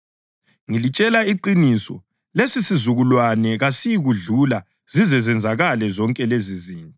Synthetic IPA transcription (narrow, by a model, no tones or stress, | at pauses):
ŋilit͡ʃʼɛlaiǃinisɔ̰ | lesisizuɣulwanɛɣasijiɣuɮula | z̥izɛzɛnd͡zʱaɣalɛzɔŋkʼɛleziziːntʼɔ